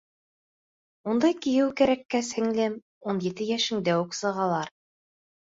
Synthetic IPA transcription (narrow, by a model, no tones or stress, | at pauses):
und̪ɑjkĭjɘwkæɾækːæshɘ̆ŋlæm | unjɘ̆t̪ɘjæʃɘ̆ŋd̪æwʉksɤ̆ʁɑlˠɑɾ